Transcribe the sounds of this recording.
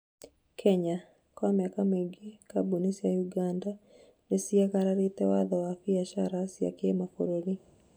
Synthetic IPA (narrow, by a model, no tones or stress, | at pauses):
kʰɛɲa | kwamiakamiŋɡikabunisijajuɡanda | nesiakaɾaɾit̪ɛwaðɔwabiaʃaɾasia̰kemafɔ̰ɾeli